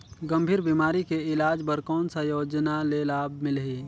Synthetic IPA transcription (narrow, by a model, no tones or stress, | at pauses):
ɡɐ̃mbʱiːɾbiːmaːɾikeɪlaːd͡ʒpəɾkɔːnsajoːd͡ʒnaleːlaːbmɪlɦi